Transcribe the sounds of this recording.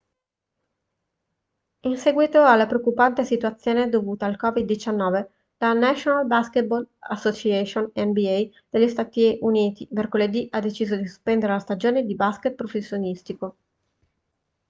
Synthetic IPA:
insɛɡwit̪oalːapɾeokːupant̪esit̪uat̪sːjoːned̪ovuːt̪aːlkɔvid̪ːit͡ʃanːɔːve | lanat͡ʃonalbasket̪̚bolasːot͡ʃiɛʃonɛnbiɛj | d̪̥elʎːist̪aːt̪iʔuniːt̪imerkoled̪iʔad̪ːet͡ʃiːzod̪isu̥spɛnd̪eɾelast̪ad͡ʒoːned̪ibasket̪̚pɾofesːjonist̪iko

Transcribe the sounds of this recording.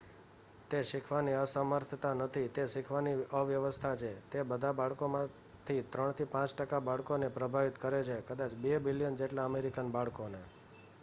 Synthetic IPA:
t̪eʃɪkʰʋaniəsəməɾt̪ʰət̪anət̪ʰit̪eʃɪkʰʋaniəʋjəʋəst̪ʰat͡ʃʰet̪ebəd̪ʱabaɭkomã | t̪ʰit̪ɾəɳt̪ʰipãt͡ʃʈəkabaɭkonepɾəbʱaʋit̪kəɾet͡ʃʰekəd̪at͡ʃbebilijənd͡ʒeʈlaəmeɾikənbaɭkone

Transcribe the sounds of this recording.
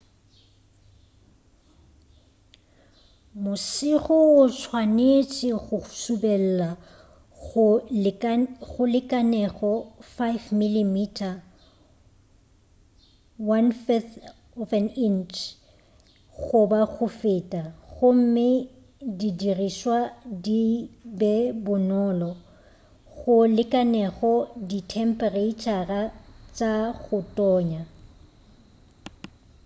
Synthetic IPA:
mʊsɪɣʊʊt͡sʰwanet͡sʼɪɣʊsubɛl̩la | ʊ | ɣʊlɪkʼanɛɣɔfajvmilimitʰʼa | wanfɛθ | ɔfɛnint͡ʃʰ | ɣʊbaɣʊfɪtʼaɣʊm̩mɪ | didiriʃwadibɛbʊnɔlɔ | ɣʊlɪkʼanɛɣɔditʰɛm̩pʼɛreit͡ʃʰʼarat͡ʃʼaɣʊtʼɔːɲa

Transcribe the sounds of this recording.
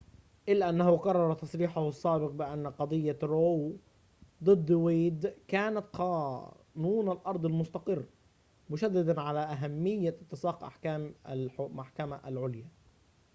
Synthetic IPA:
ʔɪlːaʔanːahʊqɑrˤːɑɾˤɑt̪ɑsˤɾiːħʊhɑsˤːaːbɪq̚bɪʔanːqɑd̪ˤɨjːaɾoːw | d̪ˤɨd̪ˤːweːd̪kaːnat̪qɑː | nuːnalʔɑɾˤd̪ˤɪlmʊst̪ɑqɨrː | mʊʃad̪ːɪd̪aʕalaʔaɦamːɪjːaɪt̪ːɪsˤɑːqʔa̰ħkaːmaʔaħkamaʔalʕʊlja

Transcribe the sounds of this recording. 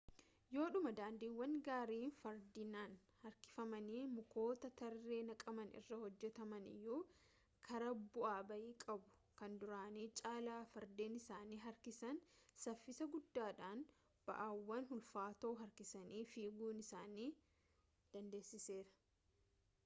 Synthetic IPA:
jo̞ːᶑʊmɐd̪aːnd̪iːwːɐŋɡaːɾiːnfɐɾd̪ɪnaːn | hɐɾkɪ̥fɐmɐniːmʊko̞ːt̪ɐt̪ɐrːe̞ːnɐkʼɐmɐnɪ̰rːɐhɔd͡ʒːɛt̪ɐmɐnɪ̰jːuː | kʰɐɾɐbʊʔaːbɐʔiːkʼɐbʊ̥kɐnd̪ʊɾaːniːt͡ʃʼaːlaːfɐɾd̪eːnɪsaːniːɦɐɾkɪsɐnsɐfːɪsɐɡʊd̪ːaːᶑaːn | b̥ɐ̰ʔaːwːɐnɦʊlfaːt̪oːɦɐɾkɪsɐniːfiːɡuːnɪsaːniː | d̪̥ɐnd̪e̞ːsːɪse̞ːɾɐ̥

